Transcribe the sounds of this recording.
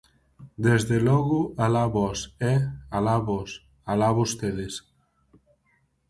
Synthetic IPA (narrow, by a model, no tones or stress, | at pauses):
d̪ezðelɔɣualaβɔsɛalaβɔs | alaβost̪eðes